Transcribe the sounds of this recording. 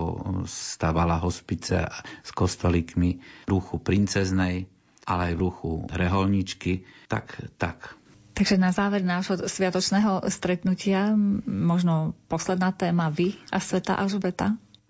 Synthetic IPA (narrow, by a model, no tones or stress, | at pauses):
ɔ̰st̪aːʋalaɦɔspit͡sɛ̰skɔst̪ɔlikmiɾuxupɾint͡sɛznɛj | ʔalɛajʋɾuxṵɾɛɦɔlɲit͡ʃkit̪a̰kt̪a̰k | t̪aɡʒɛnazaːʋɛɾnaːʒɦɔsʋɪat̪ɔt͡ʃnɛːɦɔst̪ɾɛt̪nucɪamɔʒnɔpɔslɛd̪naːt̪ɛːmaʋiasʋɛt̪a̰ʔaʒbɛt̪a